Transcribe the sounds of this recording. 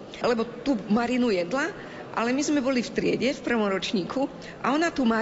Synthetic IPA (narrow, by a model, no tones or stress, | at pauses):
lɛbɔt̪uːmaɾinujɛd̪la | ʔa̰lɛmizmɛbɔlift̪ɾɪɛ̰ɟɛfpr̩ʋɔmɾɔt͡ʃɲiːkʰu | ʔa̰ɔnat̪uma